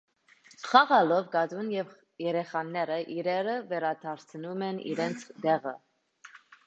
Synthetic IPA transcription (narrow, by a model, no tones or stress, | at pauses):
χɑʁɑlɔvɡɑd̪unjɛv | jɛɾɛχɑnːɛɾəʔiɾɛɾəvɛɾɑd̪ʰɑɾt͡sʰənumɛnḭɾɛnt͡sʰd̪ɛʁə̰